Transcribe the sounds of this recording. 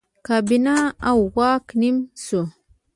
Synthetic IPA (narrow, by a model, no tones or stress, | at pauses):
kabinaawwaknimso